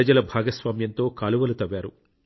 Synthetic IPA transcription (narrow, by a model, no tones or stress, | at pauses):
ɐd͡ʒɐlɐbʱaːɡɐsʋaːmjɐnt̪o̞ːkaːluʋɐlut̪ɐʋːaːɾu